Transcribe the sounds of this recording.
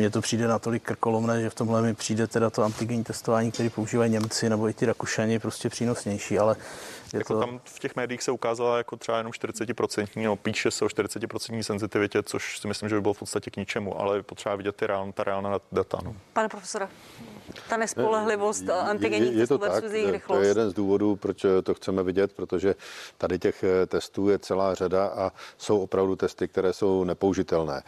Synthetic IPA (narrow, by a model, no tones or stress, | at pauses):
mɲɛt̪o̞pr̥iːdɛnat̪o̞lɪkːr̩ko̞lomnɛːʒɛft̪omɦlɛmɪpr̥iːdɛt̪ɛdat̪o̞ant̪ɪɡɛɲiːt̪ɛst̪o̞vaːɲiːk̚t̪ɛɾiːpo̞uʒiːvaiɲɛmt͡sɪnɛbo̞ɪt̪ɪɾakuʃaɲɪpɾoscɛpr̥iːnosɲɛjʃiːalɛjɛat̪oamfcɛxmɛːdɪjiːxsɛukaːzalajakot̪r̥ɛbajɛnomʃt̪ɪɾɪ̥t͡sɛcɪpɾo̞t͡sɛnt̪ɲiːnopiːʃɛsɛoʃt̪ɪɾɪt͡sɛcɪpɾot͡sɛnt̪ɲiːsɛnzɪt̪ɪvɪcɛt͡soʃsɪmɪslimʒɛuɪbɪlofpotst̪acɛkɲɪt͡ʃɛmuʔa̰lɛjɛpo̞t̪r̥ɛbavɪɟɛt̪ːɪɾɛalnt̪aɾɛaːlnadat̪a̰nopanɛpɾofɛ̥soɾɛ | t̪anɛsolɛɦlɪvost̪ʔanɪɡɛɲɛijɛt̪odak̪uzjɛjɾɪxlojɛjɛdɛnzduːvo̞duːpɾot͡ʃt̪oxt͡sɛmɛvɪɟɛt̪pɾot̪oʒɛt̪adɪcɛxt̪ɛst̪uːjɛt͡sɛlaːr̝adaʔaso̞wopɾavdut̪ɛst̪ɪkt̪ɛɾɛːso̞wnɛpouʒɪt̪ɛlnɛ̰ː